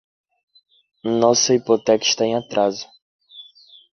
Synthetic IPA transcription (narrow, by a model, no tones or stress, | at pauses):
nɔ̃seipot̪ɛki̥ʃt̪aẽat̪ɾʔazʊ̥